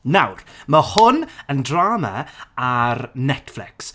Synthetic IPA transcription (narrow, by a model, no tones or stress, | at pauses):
nawrməhʊnəndraːma̰aɾnɛtflɪ̰ks